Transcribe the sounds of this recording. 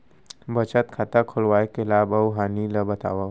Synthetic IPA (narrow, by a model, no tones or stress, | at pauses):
bət͡ʃət̪kʰat̪akʰʊlwaːekʰelaːbɐwɦaːnilɐbət̪a̰ːwa